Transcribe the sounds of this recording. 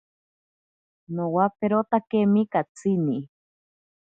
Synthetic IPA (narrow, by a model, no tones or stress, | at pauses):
nowapeɾot̪akemikat͡sʰini